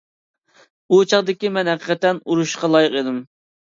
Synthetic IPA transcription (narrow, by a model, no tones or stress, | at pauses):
ut͡ʃʰɑʁd̪ɪkʲimɛnɦæqə̥qʰɛt̪ɛnuɾuʃqɑlˠɑjɨqed̪ɪm